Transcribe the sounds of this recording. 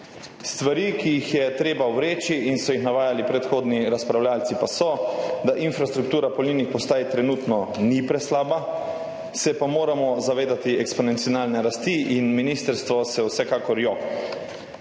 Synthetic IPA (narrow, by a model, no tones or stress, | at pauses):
st̪ʋaɾikijːxjɛt̪ɾeːbauwɾeːt͡ʃiʔinsɔjixnaʋaːjalipɾɛt̪xoːd̪niɾaspɾawlʲjaːlt̪sipasɔd̪aʔinfɾast̪ɾuk̚t̪uːɾapɔlniːnixpɔst̪aːjt̪ɾɛnuːt̪nɔnipɾɛslaːba | sɛpamoːɾamɔzaʋeːd̪at̪iɛkspɔnɛnt̪sijɔnaːlnɛɾast̪iʔinminiːst̪əɾst̪ʋɔsɛwsɛkaːkɔɾjɔk